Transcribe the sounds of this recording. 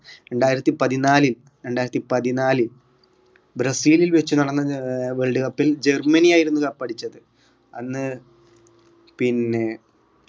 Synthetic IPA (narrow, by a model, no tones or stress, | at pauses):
ɾe̞ɳɖaːjiɾɐt̪ːipɐðinaːlil | ɾe̞ɳɖaːjiɾɐt̪ːipɐðinaːlɨ | bɾɐsiːlilʋet͡ɕːunɐɽɐnːɐʋeɭɖɨkɐpːild͡ʑe̞rmɐnijaːjiɾunːukɐpːɐɽit͡ɕːɐðɨ | ɐnːɨ | pinːe̞